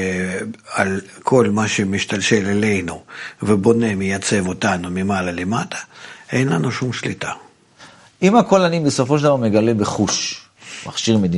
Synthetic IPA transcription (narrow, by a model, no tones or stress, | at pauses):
al | kʰo̞lmaʃemʲiʃt̪alʃelele̞jnuvebo̞ne̞mʲɪjat̪t͡se̞vot̪anumʲɪmalalɪmat̪ʰḁejnlanuʃumʃlit̪a | imako̞lanibesofoʃeld̪avaʁmeɡale̞beχuʃ | ma̰χʃiʁmed̪i